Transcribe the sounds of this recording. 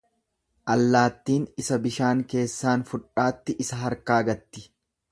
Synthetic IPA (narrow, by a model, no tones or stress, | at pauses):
ʔɐlːaːt̪ːiːnɪsɐbɪʃaːŋke̞ːsːaːnfʊᶑaːt̪ːɪʔɪsɐɦɐɾkaːɡɐt̪ːɪ̥